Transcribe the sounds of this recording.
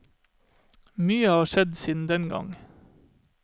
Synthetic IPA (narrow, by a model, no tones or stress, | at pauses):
myːəhɑːʃɛd̪siːd̪n̩d̪ɛnɡɑ̰ŋ